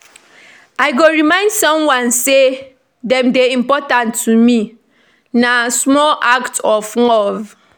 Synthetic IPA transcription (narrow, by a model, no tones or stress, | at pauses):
aɪɡoɹimãɪ̃ndsɔ̃mwãnse | dɛ̃mdeĩmpɔtãntʰːumi | nasmɔlʔaktɔflɔv